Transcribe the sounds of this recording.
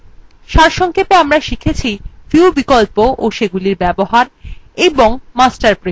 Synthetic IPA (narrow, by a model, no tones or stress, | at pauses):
ʃaɾʃɔŋkʰepeamɾaʃikʰet͡ɕʰifiubikolpoʔoʃeɡuliɾbɛboɦaɾeboŋmasʈaɾpɾe